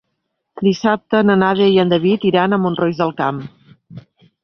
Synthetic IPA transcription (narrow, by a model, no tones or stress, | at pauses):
d̪isap̚t̪ənənaðeiənd̪əβit̪iɾanəmunrojzðəlˠkam